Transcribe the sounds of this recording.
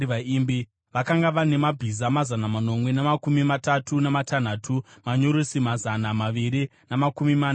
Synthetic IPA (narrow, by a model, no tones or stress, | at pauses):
ʋaiːmbi | ʋakaŋɡaʋane̞mabʱizamazanamano̞mwe̞namakumimatatʰunamatan̤atʰumaɲoɾusimazanamaʋiɾinamakumimaːn